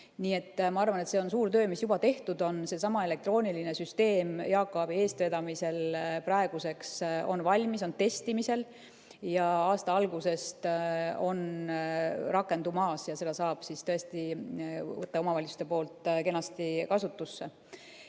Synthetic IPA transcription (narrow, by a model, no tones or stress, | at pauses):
niːe̞t̪ːmɑɑrvɑne̞t̪se̞o̞nsuːɾt̪ø̞ːmisjub̥ɑt̪e̞ht̪ud̪o̞nse̞sɑmɑe̞le̞k̚t̪ro̞ːnʲilinesyst̪e̞ːmjɑːkːˑobie̞ːst̪ve̞d̪ɑmise̞lprɑeɡ̥use̞kso̞̰nvɑlʲmiso̞nt̪e̞st̪imise̞l | jɑɑːst̪ɑɑlɡuse̞st̪o̞n | rɑkːˑe̞nd̪umɑːsjɑse̞d̪ɑsɑːb̥sist̪ɤ̞e̞st̪i | vɤt̪ːɑo̞mɑvɑlʲitsu̥st̪e̞po̞ːlt̪ˑke̞nɑst̪ikɑsut̪ːusːe